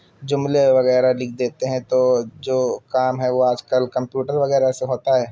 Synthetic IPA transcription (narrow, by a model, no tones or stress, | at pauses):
d͡ʒʊmleʋɐɣɛːɾalɪkʰd̪eːt̪eɦɛ̃t̪od͡ʒoːkaːmɦɛʋoaːd͡ʒkəlkɐ̃mpjuːʈəɾʋɐɣɛːɾaseɦoːt̪aɦɛː